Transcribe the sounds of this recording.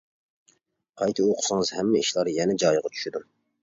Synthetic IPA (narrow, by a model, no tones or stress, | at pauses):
qʰɑjt̪ʰɨoqʰʊ̥sɨŋɨzhɛmːɛiʃlˠɑɾjɛnɛd͡ʒɑjʁɑt͡ʃʰy̥ʃyd̪u